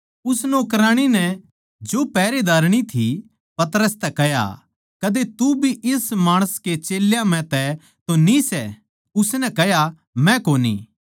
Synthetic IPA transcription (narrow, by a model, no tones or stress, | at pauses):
ʊsnoːkɾãːɽ̃inɛ | d͡ʒoːpɛːɾed̪aːɾɽ̃it̪ʰi | pɐt̪əɾəst̪ɛkɛja̰ | kɐd̪et̪ubʱiʔɪsmaːɽ̃əsket͡ʃeːljãm̤ɛ̃t̪ɛ | t̪onisɛ | ʊsnɛkɛja | mɛ̃koːnḭː